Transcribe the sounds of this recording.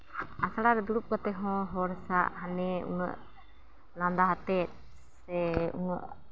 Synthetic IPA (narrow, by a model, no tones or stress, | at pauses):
asaɽaɾɛd̪uɾup̚kat̪ɛɦɔ̃ɦɔɾsaʔɦanɛṵnə̰ʔ | lãnd̪aɦat̪ɛt̪̚ | sɛṵnə̰ʔ